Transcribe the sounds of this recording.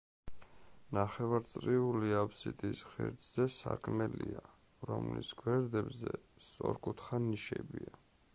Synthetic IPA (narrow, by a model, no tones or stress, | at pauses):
naχɛvaɾt̪sʼɾiuliapʰsit̪ʼisχɛ̰ɾd̪ʼzɛsakʰmɛlia | ɾɔmlḭsɡwɛɾd̪ɛbzɛst̪sʼɔɾkʼut̪ʰχaniʃɛ̰bia